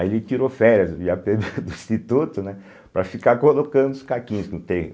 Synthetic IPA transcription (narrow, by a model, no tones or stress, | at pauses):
aielɪt͡ʃiɾofɛɾjɐziapeɡed̪ʊĩst̪it̪ut̪ʊnɛ | pɾɐfikaɾkolokɐ̃nd̪ʊʊskakĩɲʊskɪnũt̪ẽ